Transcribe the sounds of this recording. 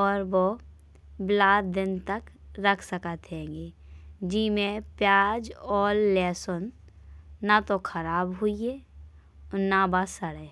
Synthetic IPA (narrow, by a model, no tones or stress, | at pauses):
ɔːɾʋo | blaːd̪̚d̪ɪnt̪ək | ɾəkʰsəkət̪ɦẽːŋɡeː | d͡ʒiːmẽpjaːd͡ʒɔːlːɛːsonː | at̪okʰəɾaːbɦʊieː | nabasəɽə